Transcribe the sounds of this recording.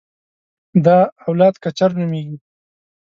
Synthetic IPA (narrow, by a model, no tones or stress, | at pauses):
d̪ɑːwlɑd̪kat͡ʃaɾnumeɡi